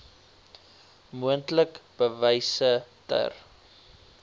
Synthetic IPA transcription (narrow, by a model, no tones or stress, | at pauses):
muəntləkb̥əvɛjsətə̰r